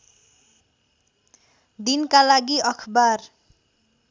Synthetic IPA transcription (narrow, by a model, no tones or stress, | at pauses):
d̪inkalaɡiʔʌkʰbar